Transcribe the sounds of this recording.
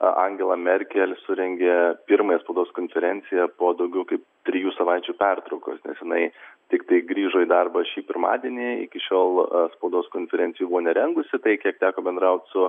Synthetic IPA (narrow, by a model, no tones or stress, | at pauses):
ʔɐŋʲɡʲɛlˠɐmʲɛrʲkʲɛlʲsʊɾʲɛŋʲɡʲeːpʲɪɾmɐjɛspɐʊd̪oːskoːnʲfʲɛɾʲɛnʲt͡s̪ʲɪjɛpoːd̪ɐʊɡʲɛʊkɐɪp̚t̪ʲɾʲɪjuːsɐʋɑɪt͡ʃʲuːpʲɛrt̪ɾɒʊko̰ːsnʲɛ̰sjɪnɐɪt̪ʲɪkt̪ɐɪɡɾʲiːʒoːiːd̪ɐrbɐʃʲiːpʲɪɾmɑ̰ːd̪ʲiɛnʲiɪ̰kʲɪʃʲoːlˠspɐʊd̪oːskoːnʲfʲɛɾʲɛnʲt͡s̪ʲɪjuːbʊʋoːnʲɛɾʲɛŋɡʊsʲɪt̪ɐɪkʲiɛk̚t̪ʲæːkoːbʲɛnd̪ɾɐʊt̪ʲsʊ